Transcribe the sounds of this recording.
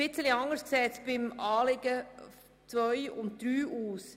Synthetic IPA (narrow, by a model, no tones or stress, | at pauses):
ɪt͡səliɑŋəsksɛːt͡sb̥ɪmɑːlɪɡ̥ə | t͡svœʏʊntd̪̥ɾyːuːs